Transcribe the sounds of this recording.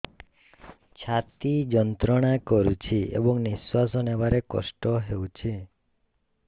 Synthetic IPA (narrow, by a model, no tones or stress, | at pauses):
t͡ʃʰat̪id͡ʒɔnt̪ɾɔɽ̃akɔɾut͡ʃʰiḛbɔŋniswasɔnebaɾekɔ̰sʈɔɦewt͡ʃʰi